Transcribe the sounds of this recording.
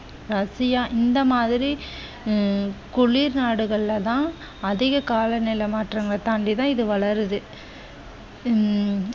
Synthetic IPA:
ɾɐsɪjaːʔɪnd̪ɐmaːðɪɾi | kʊɭiːɾnaːɽɯɣɐɭːɐt̪ãː | ɐðɪɣɐkaːlɐnɪlɐmaːʈraːŋɡɐt̪aɳɖit̪ãːɪðɯʋɐɭɐɾɯðɯ

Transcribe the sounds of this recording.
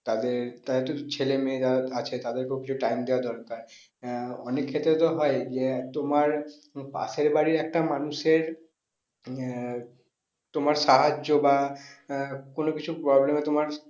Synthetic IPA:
t̪ad̪eɾt̪ad̪eɾt̪ot͡ɕʰelemeeaat͡ɕʰet̪ad̪eɾkokit͡ɕʰuʈajmd̪ewad̪ɔɾkaɾ | ɔ̰nekʰːet̪ːɾet̪oɦɔed͡ʑet̪omaɾ | pa̰seɾbaɾiɾɛk̚ʈamanuʃeɾ | t̪omaɾʃaɦad͡ʑoba | konokit͡ɕʰupɾɔblemet̪omaɾ

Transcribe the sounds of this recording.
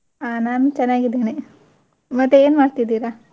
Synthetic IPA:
aːnaːnut͡ʃɐnːaːɡid̪eːne | mɐt̪ːeeːnmaːɖt̪id̪iːɾa

